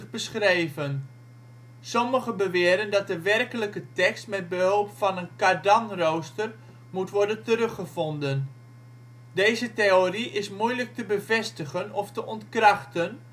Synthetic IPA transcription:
bəsχrejvən | sɔməχəbəʋɪːɾəndɑt̚dəʋɛrkələkətɛkstmɛd̚bəɦɵlˠpfɑnənkadɑŋrowstər | mutʋɔɹdəntəɾɵχəvɔndən | dejzəteoriʔɪsmujlək̚təbəvɛstəχənɔftəʔɔntkrɑχtən

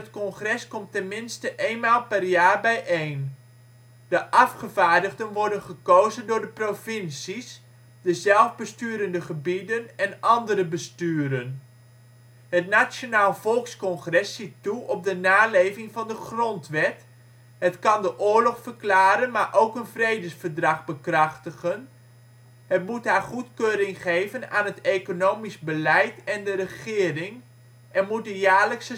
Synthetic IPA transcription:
ətkɔnχrɛskɔmtɛnmɪnstəʔejnmaːlˠpɛrjaːɹbɛjʔejn | d̥əʔɑfχəvaːɹdəχdənʋɔɹdənχəkowzəndʊːɹdəprofɪnsis | dəzɛlˠvbəstyːɾəndəχəbidənɛnɑndəɾəbəstyːɾən | ɦətnat͡ʃjonaːlˠv̥ɔlˠkskɔnχrɛsːituʔɔb̚dənaːlejvɪŋvɑndəχrɔntʋɛt | ɦətkɑndəʔʊːɹlɔχfərklaːɾənmaːɹʔowkənvrejdəsfəɹdrɑχbəkrɑχtəχən | ɦətmutɦaːɹχutkøːɾɪŋχejvənaːnɦətejkonowmizbəlɛjtɛndəɾəχɪːrɪŋ | ʔɛnmut̚dəjaːɹləksə

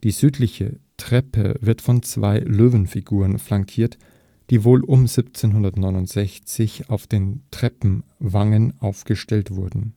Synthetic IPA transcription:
d̥iːzyːtʰlɪçə̰tʁ̥ɛpə̰vɪɐtfɔnt͡sv̥a̰ɪløːvənfiɡuːʁənflaŋkʰiːɐt | d̥iːvoːlʔʊmzipt͡seːnɦʊndɐtnɔʏnʊntz̥ɛçt͡sɪçaʊfd̥eːntʁ̥ɛpm̩vaŋənʔaʊfɡ̥əʃtɛltv̥ʊɐdn̩

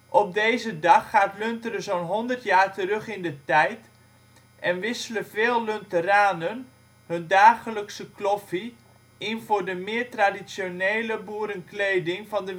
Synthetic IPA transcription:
ʔɔp̚dejzədɑχːaːtløntərəzownɦɔndərtjaːrtəɾɵχɪndətɛjt | ʔɛnʋɪsələvɪːlˠːøntəraːnən | hɵndaːχələksəklɔfi | ɪnvʊːɹdəmɪːɹtradisjonejləbuəɾənklejdɪŋvɑndə

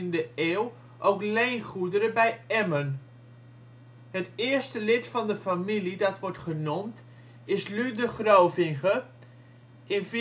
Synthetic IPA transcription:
ndəeːwˠ | ʔowklejnχudəɾəbɛjɛmən | hətɪːərstəlɪtfɑndəfamilidɔtʋɔɹtχənomt | ɪslydəχrowvɪŋɣə | ɪnf

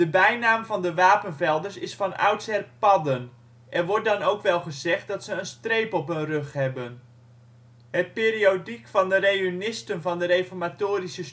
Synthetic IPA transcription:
dəbɛjnaːmvɑndəʋaːpənvɛlˠdəɹsɪsfɑnʔœ̰wtsɛrpɑdən | ʔɛrʋɔt̚dɑnowkʋɛlˠχəzɛχt̚dɑtsəːnstrejpɔpənrøχɦɛbən | hət̚pɪːɾiodikfɑndərejynɪstənvɑndərejfɔrmatoːɾisəs

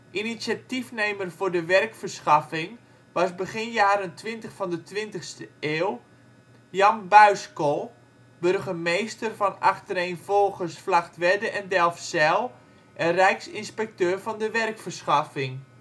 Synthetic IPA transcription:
ʔinisjatifnejmərvʊːɹdəʋɛrkfərsxɑfɪŋ | ʋɑsbəɣɪnjaːɾəntʋɪntəxfɔndətʋɪntəxstəeːw | jɑnbœɥskolˠ | børɣəmejstərfɔnaxtəɾejnfolˠɣəsflaxtʋɛdəʔɛndɛlˠfsɛlˠ | ʔənrɛjksɪnspɛk̚tøːrvɔndəʋɛrkfərsχafɪŋ

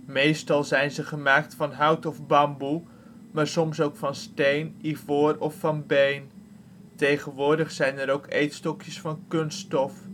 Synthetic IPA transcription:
mejstɑlˠzɛjnzəχəmaːk̚tfɑnɦʌwtɔfbɑmbu | maːɹsɔmsowkfɑnstejnivʊːrɔfːɑnbejn | tejχənʋʊːɹdəχsɛjnəɾowkḛjtstɔkjəsfɑnkɵnstɔf

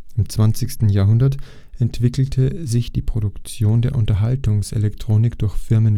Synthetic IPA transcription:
ʔɪmt͡sv̥ant͡sɪçstn̩jaːɐɦʊndɐt | ʔɛntv̥ɪkl̩tʰəzɪçd̥iːpʁ̥oɾʊkt͡sjoːndeːɐʔʊntɐɦaltʊŋsʔḛlɛktʁ̥oːnɪkd̥ʊɐçfɪɐmən

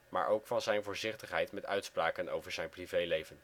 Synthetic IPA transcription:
ma̰ːɹʔowkfɑnzɛjnvʊːɹzɪχtəχɦɛjtmɛtœɥtspraːkəno̰wvəɹzɛjnprivejlejvən

